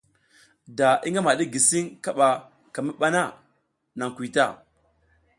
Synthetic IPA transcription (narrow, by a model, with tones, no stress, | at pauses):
da˨i˦ŋɡa˦ma˨ɗi˦ɡi˨si˦ŋka˨ɓa˨ | ka˨mi˦ɓa˦na˦˨ | na˨ŋkʷi˨ta˦˨